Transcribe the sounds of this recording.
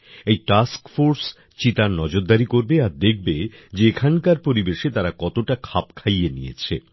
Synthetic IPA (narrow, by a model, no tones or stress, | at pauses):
ejʈaskfoɾs | t͡ɕit̪aɾnɔd͡ʑoɾd̪aɾikoɾbeaɾd̪ek̚ʰbed͡ʑeekʰankaɾpoɾibeʃet̪aɾakɔt̪oʈakʰapkʰajenḭjḛt͡ɕʰḛ